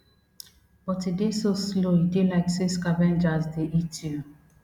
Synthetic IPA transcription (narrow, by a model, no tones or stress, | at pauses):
b̥ɔtidesosloidelaɪksiskavɛ̃nd͡ʒazdeʔitu